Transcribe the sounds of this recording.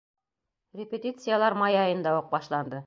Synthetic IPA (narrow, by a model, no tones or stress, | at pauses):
rʲɪpʲet̪ʲit̪sɨjalˠɑɾmɑjɑjɤ̆nd̪ɑuq̚bɑʃlˠɑnd̪ɤ